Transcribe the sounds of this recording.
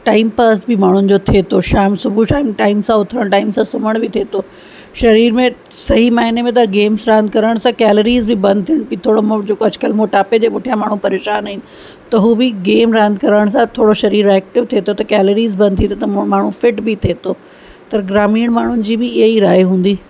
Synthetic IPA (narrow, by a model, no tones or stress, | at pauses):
ʈaːɪmpaːsbɪmaːɳ̤ʊnɪ̆d͡ʑot̪ʰet̪ʰoʃaːɪmsʊbʱuʃaːɪmʈaːɪmsãʊt̪ʰɾəɽ̃ʈaːɪmsãsʊməɽ̃bɪt̪ʰeːt̪o | ʃɐɾiːɾmẽsɐɦimaːɦɪnemẽt̪̬ɐɡeːmsɾãːnd̪kɐɾəɽ̃sãkɛːləɾiːzbɪbɐ̃nd̪̚ʱt̪ʰiəɽ̃pit̪ʰoːɽomod͡ʑekoɐd͡ʑkəlmoːʈaːped͡ʑeːpʊʈʰijãmaːɳ̤ũpɐɾeːʃaːnaːinɪ̆ | t̪ɐɦuːbɪɡeːmɾɛ̃ːnd̪kɐɾəɽ̃s̬ãt̪ʰoːɽoʃɐɾiːɾɛːk̚ʈɪʋt̪ʰeːt̪ʰot̪ɐkɛːləɾiːzbɐ̃nd̪̚ʱt̪it̪ʰot̪ɐmaːɳ̤ũfɪʈbɪt̪ʰeːt̪oː | t̪ɐɾɡɾaːmiːəɽ̃maːɳ̤ʊnɪ̆d͡ʑiːbɪɪɦiɾaːiɦũːn̆d̪iː